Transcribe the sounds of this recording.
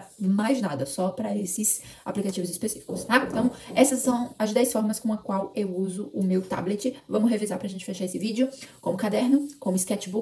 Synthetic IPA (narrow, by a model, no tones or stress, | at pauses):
majznad̪ɐsɔpɾɐesɪsa̰plikat͡ʃivʊzispesifi̥kʊst̪aẽnt̪ɐ̃w̃ɛsɐsːɐ̃w̃ɐzd̪ɛjsfɔɾmɐskõɐkwawewuzʊʊmewt̪a̰blet͡ʃɪvɐ̃mʊsɦevizaɾpɾɐʒẽnt͡ʃɪfeʃaesɪvid͡ʒɪʊkõmʊkad̪ɛɾnʊkõmʊɪskɛt͡ʃɪbu